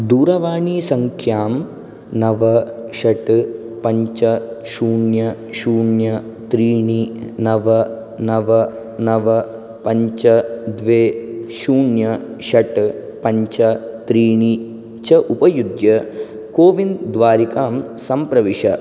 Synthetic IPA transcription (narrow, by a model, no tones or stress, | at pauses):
d̪uːɾɐʋaːɳisɐŋkʰjaːm | nɐʋɐʂɐʈɨ | pɐɲt͡ʃɐʃuːɳjɐ | ʃuːɳjɐ | t̪ɾiːɳinɐʋɐ | nɐʋɐ | nɐʋɐ | pɐɲt͡ʃɐd̪ʋeːʃuːɳjɐʂɐʈɨpɐɲt͡ʃɐt̪ɾiːɳi | t͡ʃɐʔupɐjud̪jɐ | koːʋind̪ʋaːɾikaːmsɐmpɾɐʋiʂɐ